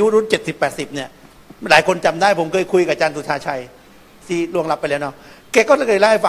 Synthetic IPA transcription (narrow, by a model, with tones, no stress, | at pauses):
ju˦˥ɾu˦˥˨nt͡ɕe˨˩t̪̚si˨˩pːɛː˨˩t̪̚si˨˩p̚ni˥˩ɐ | laː˨˦jkʰo˧nt͡ɕa˧md̪aː˥˩jpʰo˩˦mkʰɤː˧jkʰu˧jka˨˩t͡ɕaː˧nt̪ʰuː˧˩tʰaː˧t͡ɕʰa˧j | t̪ʰiː˥˩lu˥˩əŋla˦˥pːjlɛː˦˥wnɔ˦˥˩ke˦˥kːɔː˥˩la˧˩laː˥˩˨fa˧